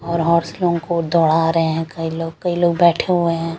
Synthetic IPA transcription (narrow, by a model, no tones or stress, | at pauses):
ɔːɾɦɔːɾslõkod̪ɔːɽaɾɐɦeɦɛ̃kɐiloːɡ̚kɐiloːɡ̚bɛːʈʰeɦueɦɛ̃ː